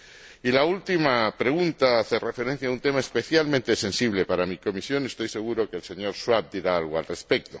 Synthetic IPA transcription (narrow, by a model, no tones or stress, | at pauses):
ilault̪imapɾe̞ɣ̞unt̪aaθerefe̞ɾe̞n̟θjaunt̪e̞maespe̞θjalmẽnt̪esẽ̞nsiβ̞lepaɾamiko̞misjo̞ne̞st̪o̞jse̞ɣ̞uɾo̞kelse̞ɲo̞ɾʃwap̚d̪iɾaalɣ̞oalrespek̚t̪o